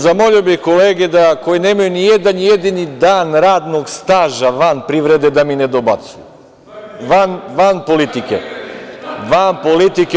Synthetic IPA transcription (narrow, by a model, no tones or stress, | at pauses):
zamoʎiobixkoleːɡɛd̪akojinemajunijed̪anjed̪inid̪aːnɾaːd̪noɡst̪aːʒaʋanpɾiʋɾɛd̪ɛd̪aminɛd̪obat̪suju | ʋanʋanpolit̪ikɛ̰ | ʋanpolit̪ik